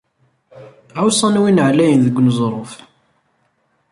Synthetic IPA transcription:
ʕawsˤɑnwinʕlæjənðəɡʷnzˤɾˤof

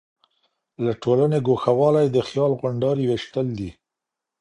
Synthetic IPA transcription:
laʈolaneɡoxawɑlajd̪əxjɑlɣʊɳɖɑɾiweʃt̪əld̪i

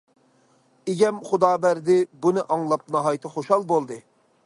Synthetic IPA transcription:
ɪɡʲɛmχʊd̪ɑːbæɾd̪ɪbunɨʔɑŋlˠɑp̚nɑɦɑjt̪ʰɨχoʃɑlˠbolˠd̪ɨ

